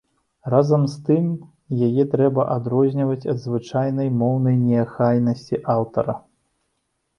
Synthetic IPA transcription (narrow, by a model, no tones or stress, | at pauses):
razɐmst̪ɨm | jajɛt̪ɾɛbɐʔad̪ɾɔzʲnʲivɐt͡sʲɐd̪zvɨt͡ʂajnɐjmɔwnɐjnʲɛxajnɐsʲt͡sʲiʔawt̪ɐ̰ɾɐ